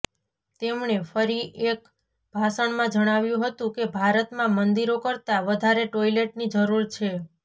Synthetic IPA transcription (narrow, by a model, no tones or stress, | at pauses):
t̪emɳefəɾiʔek | b̥ʱasəɳmãd͡ʒəɽ̃aʋjũɦət̪ũkebʱaɾət̪mãmənd̪iɾokəɾt̪aʋəd̪ʱaɾeʈoileʈnid͡ʒəɾuɾt͡ʃʰe